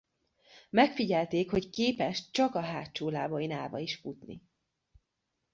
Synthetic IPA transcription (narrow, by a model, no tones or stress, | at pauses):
mɛkfiɟɛlt̪eːkhockeːpɛʃt͡ʃɒkɒɦaːt͡ʃoːlaːvojinaːvɒ̰iʃfut̪nḭ